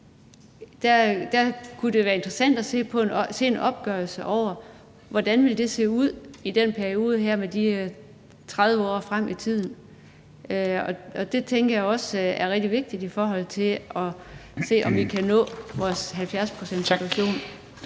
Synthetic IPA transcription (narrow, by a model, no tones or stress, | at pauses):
d̥æd̥ækʰud̥e̝ʋæːɐe̝nd̥ʁəsæn̰d̥æse̝̰ːpʰɒ̽e̝nse̝̰ːenʔɒ̽b̥ɡ̥œɐlsəʔɒʊ̰ɐ | ʋɒd̥ænʋild̥e̝se̝̰ːuð̞̰ˠid̥enpʰæɐio̝ːð̞ˠəɦæɐ̰med̥i | t͡sʰʁað̞ˠʋəɒ̰ːfʁam̰ʔit͡sʰið̰ˠn̩ | øɒ̽ɒ̽d̥e̝t͡sʰeŋɡ̥ɐjäɪɒ̽sæɐʁɛɡ̚d̥iʋe̝ɡ̥̚d̥id̥ifɒːɦɒ̽l̰t͡sʰe̝ɒ̽se̝̰ːʔɒ̽mʋikʰænɔ̰̽ːʋɒːsɦælfjæɐspʰʁosen̰d̥sidʰuæɕo̝̰ːn